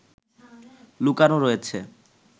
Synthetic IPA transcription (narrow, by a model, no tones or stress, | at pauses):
lukanoɾojet͡ɕʰe